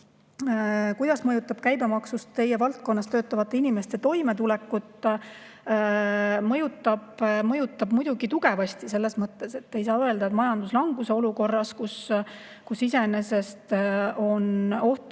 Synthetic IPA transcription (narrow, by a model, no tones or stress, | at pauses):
kujd̪̥ɑsmɤjut̪ːˑɑb̥kæjbe̞mɑksust̪t̪ːe̞jevɑlt̪̚ko̞nːɑst̪øːt̪ːˑɑvɑt̪ːˑe̞inime̞st̪e̞t̪o̞jme̞t̪ulɛkːˑut̪ːˑ | mɤ̞jut̪ˑːɑb̥mɤjut̪ːˑɑbmujd̪̥uɡ̥it̪uɡ̥e̞vɑst̪ise̞lːe̞smɤt̪ːˑe̞se̞t̪ːe̞jsɑːø̞ld̪ɑet̪mɑjɑnd̪uslɑŋɡuse̞oluko̞rːɑskus | kusise̞ne̞se̞st̪o̞no̞ht̪